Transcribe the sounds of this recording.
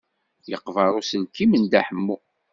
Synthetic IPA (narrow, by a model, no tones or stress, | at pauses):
jəqːvɑɾˤʊsəlkːimənd̪æħəmːu